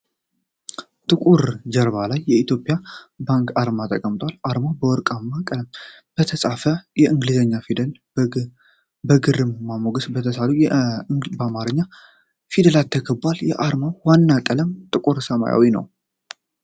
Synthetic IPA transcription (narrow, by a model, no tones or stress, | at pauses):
t̪ʼɨkʼuɾd͡ʒəɾβalajːɛit̪ʰjo̞pʼijabaŋkʼaɾmat̪ʼəkʼəmt̪ʼwalʔaɾmawbəwɔɾkʼamːakʼələm | b̥ət̪ʰəsʼafəjɛʔɨŋɡlizəɲːafl | bəɡɨrɨmːamoɡəsbət̪ʰəsalujɛbəamaɾɨɲːa | fid̪əlat̪ʰːəkʰəbaljɛʔaɾmawwanːakʼələmt̪ʼɨkʼuɾsəma̰ja̰winə̰w